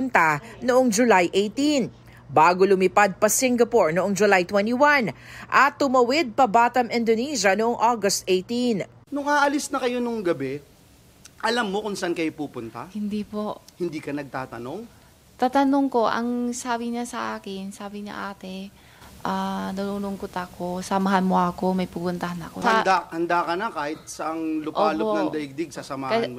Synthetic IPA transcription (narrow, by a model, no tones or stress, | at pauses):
pʊnt̪anoʔoŋd͡ʒʊlajʔejt̪in | baːɡolʊmɪpad̪̚pɐsiŋɡɐpoɹnoʔoŋd͡ʒʊlajt̪wɛniwanʔɐt̪ːʊmɐwɪd̪̚pɐbaːt̪ɐmʔɪnd̪oniːʃɐnoʔoŋʔoɡɐst̪ʔejt̪in | nʊŋaʔɐlisnɐkɐjo̞nʊŋɡɐbɛ | ʔɐlamːo̞kʊnsɐʔankɐjopuːpʊnt̪a̰hɪnd̪iːpoʔhɪnd̪iːkɐnɐɡ̚t̪aːt̪ɐno̞ŋ | t̪at̪ɐnoŋko̞ʔɐ̰ŋsaːbɪɲasɐʔaːkɪnsaːbɪɲɐ̰ʔaːt̪ɛ | ʔaːnʊnuːlʊŋkʊt̪ɐkosɐmɐɦanmoʔɐko̞mɐjpupʊnt̪ɐɦanɐɐ̰kosɐnd̪ahɐnd̪akɐnɐkaːhɪt̪̚sɐʔɐŋlʊʔoːlopnɐŋd̪ɐɪɡ̚d̪ɪɡ̚sɐsɐmahɐ